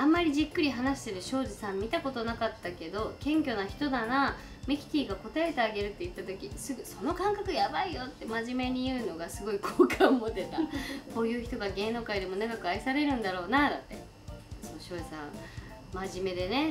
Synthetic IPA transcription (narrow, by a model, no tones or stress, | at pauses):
ãmːaɾʲiʑikːɯ̟ɾʲiɦanaɕi̥t̪e̞ɾɯ̟ɕo̞ːʑisãmʲːit̪ako̞t̪o̞nakat̪ːake̞d̪o̞kẽ̞ŋkʲo̞naçi̥t̪o̞d̪ana | mekʲi̥t̪ʲiːɡako̞t̪ae̞t̪e̞aɡe̞ɾɯ̟t̪ːe̞it̪ːat̪o̞kʲisɨɡɯ̟so̞no̞kãŋkakɯ̟jabaijo̞t̪ːe̞maʑime̞ɲ̟ijɯ̟ːno̞ɡasɨɡo̞ikʰoːkʰãmot̪e̞t̪ako̞ːjɯ̟ːçi̥t̪o̞ɡaɡe̞ːno̞ːkaid̪e̞mo̞naɡakɯ̟aisaɾe̞ɾɯ̟̃nd̪aɾo̞ːnad̪at̪ːe̞̰ | sooɕo̞ːʑisã̰ŋ̃ | maʑime̞d̪e̞ne̞